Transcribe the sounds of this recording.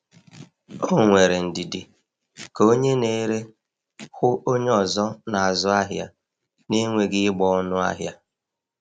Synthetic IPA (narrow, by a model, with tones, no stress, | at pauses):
o˦ŋʷe˨ɾe˨n̩˨dɪ˨dɪ˨ | ko˦ɲe˦ne˨˦ɾe˦ | xʊ˦ʔo˦ɲe˦ɔ˨zɔ˦na˨a˨zɔ˦a˦ɦja̰˦ | ne˦ŋʷe˦ɡɪ˦ɪ˦ɡ͡bɔ˦ɔ˦nʊ˦a̰˦ɦja˦